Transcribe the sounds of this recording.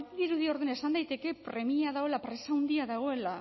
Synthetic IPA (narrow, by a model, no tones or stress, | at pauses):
ðiɾuðio̞ɾðene̞sand̪ajt̪e̞ke̞pɾe̞miaðaoe̞lapɾe̞sawnd̪iaðaɣ̞o̞e̞la